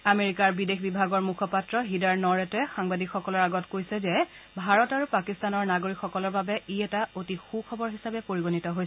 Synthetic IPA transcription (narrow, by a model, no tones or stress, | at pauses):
ameɹikaɹbidexbibʱaɡɔɹmukʰɔpatɹɔɦidaɹnɔɹɛtɛxaŋbadikʰxɔkɔlɔɹaɡɔtkojsɛzɛ | bʱaɹɔtaɹupakistanɔɹnaɡoɹikxɔkɔlɔɹbabɛiɛtaotixukʰɔbɔɹɦisabɛpoɹiɡonitɔɦojsɛ